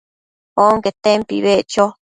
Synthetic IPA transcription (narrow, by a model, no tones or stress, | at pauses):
oŋket̪empḭβeʔt͡ʃo